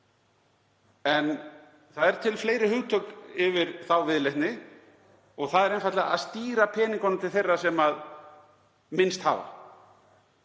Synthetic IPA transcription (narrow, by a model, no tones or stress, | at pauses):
ɛn | θaðɛɾ̥t̪ʰɪlfleːjɾɪhʏɣt̪ʰœkɪvɪɾ̥θawvɪðleht̪nɪ | ɔɣθaðɛɾejnfat̪lɛɣaa̰ðst̪iːɾapʰɛːniŋkanɪmt̪ʰɪlθejrːasɛmað | mɪnst̪ha̰ːva̰